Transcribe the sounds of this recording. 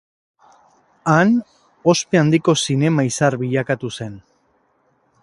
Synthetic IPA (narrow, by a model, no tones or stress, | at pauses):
an | o̞spe̞and̪iko̞sine̞maisaɾβiʎakat̪use̞n